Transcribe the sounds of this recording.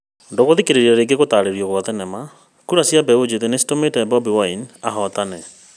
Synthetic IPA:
ndoɣoðikeɾeɾiɾaɾeɡeɣotaːɾeɾiɔɣwaðɛnɛma | kuɾasiabɛod͡ʑeðenesi̥tometɛbɔbiwainaɦɔt̪anɛ

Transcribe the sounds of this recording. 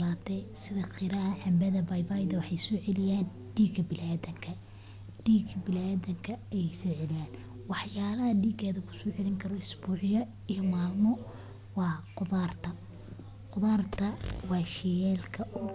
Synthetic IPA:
laːt̪ʰɛjsɪðɐqʰɪɾɐɦɐħɑmbɐðɐbɐjbajðɐwɑħɑjsɔːʕɛlɪjaːn | ɖ̥iːɡɐbɪlaːðɐŋkʰɐ | ɖ̥iːɡʰɐbɪlaːðɐŋkʰɐɛjsɔːʕɛlɪjaːn | wɑħjaːlɐhɐɖiːɡɛːðɐkʰʊ̥sɔːʕɛlɪŋkʰɐɾɔɪsbuːʕɪjɐ | ijɔmaːlmɔ | wɑːqʊðaːrt̪ʰɐ | qʊðaːrt̪ʰɐwɑːʃɛjɛːlkʰɐʔʊ

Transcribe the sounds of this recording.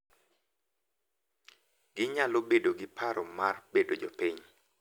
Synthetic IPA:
ɡɪɲalobedoɡɪpaɾɔmarbedod͡ʒopiɲ

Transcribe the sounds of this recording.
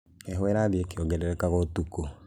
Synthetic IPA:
ɛɦwɛɾaðeekeɔɡɛɾɛɾɛkaɣɔtuko

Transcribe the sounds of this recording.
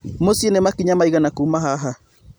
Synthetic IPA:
mosienɛmakiɲamaiɣanakuːmaɦaɦa

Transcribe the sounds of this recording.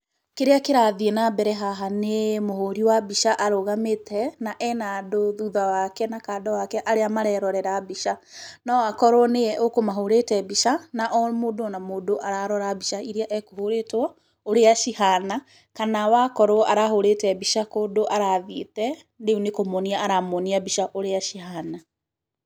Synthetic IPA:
keɾeakeɾaðienabɛɾɛɦaɦanemohoɾiwabiʃaʔaɾoɣametɛnaʔɛnadoðuðawakɛnakaːdɔwakɛʔaɾeamaɾɛɾɔɾɛɾabiʃanɔwakɔɾwneɛʔokomaɦoɾetɛbiʃanaʔɔmoːdoɔnamoːdoʔaɾaɾɔɾabiʃaiɾiaʔɛkohoɾetwɔ | oɾeaʃihana | kanawakɔɾoaɾaɦoɾetɛbiʃakoːdoʔaɾaðitɛ | deunekomoniaaɾamɔniabiʃaʔoɾeaʃiɦana

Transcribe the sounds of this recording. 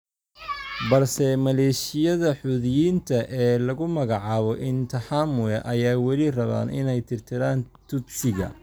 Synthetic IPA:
bɐlsɛmɐlɛːʃɪjɐðɐħuðjiːnt̪ʰɐʔɛːlɐɣʊmɐɣɑʕɑːβɔʔɪnt̪ʰɐħaːmʊɛʔɐjaːwɐlɪrɐβa̰ːnʔɪ̰nɛjt̪ʰɪrt̪ʰɪɾaːnt̪ʰʊbsɪɣɐ̰

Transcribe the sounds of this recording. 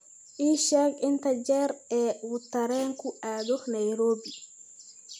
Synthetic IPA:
ʔiʃakint̪ad͡ʒɛɾɛwut̪ːaɾɛŋkuʔaːd̪ɔxnajɾoːbi

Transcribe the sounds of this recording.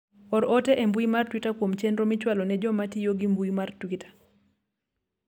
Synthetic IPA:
ɔɾɔtɛʔembuimartwitakwomt͡ʃɛndɾɔmɪt͡ʃwalɔnɛd͡ʒɔmatɪjoɡɪmbuimartwitḁ

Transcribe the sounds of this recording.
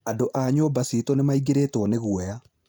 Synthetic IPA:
adoʔaɲobasitɔnemaiɡeɾetwɔneɣwɛja

